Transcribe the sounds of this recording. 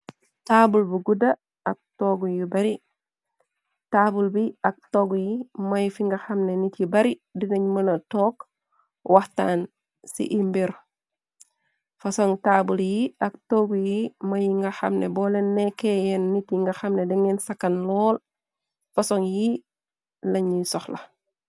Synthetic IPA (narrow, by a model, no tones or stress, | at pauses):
taːbulbuɡuda | ak̚toɡujibaɾi | taːbulbiak̚toɡjimajifiŋɡaxamnenitjibaɾidiŋɐɲmɐnɐtoːk | wʔahta̰ːn | sḭʔimbiɾ | fasɔŋtaːbuljiɐk̚toɡujimɐjiŋɡɐxɐ̰mnebɔlenːɛkejɛnːitiŋɡɐxɐmnediŋensakɐnlɔːl | fasɔŋji | lɐɲisɔxlɐ̰